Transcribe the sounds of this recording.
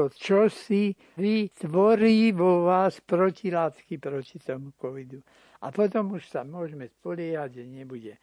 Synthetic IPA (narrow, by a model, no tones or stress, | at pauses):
ɔt͡ʃɔsi | ʋit̪ʋɔɾiːʋɔʋaːspɾɔcilaːt̪kipɾɔcit̪ɔmukɔʋid̪u | a̰pɔt̪ɔmuʃsamʊɔʒɛmɛspɔlɪɛɦaɟɛɲɛbuɟɛ